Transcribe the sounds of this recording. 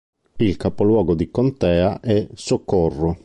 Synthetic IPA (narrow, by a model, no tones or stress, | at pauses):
ilkapolwɔːɡod̪ikont̪ɛːaʔɛsokːorːo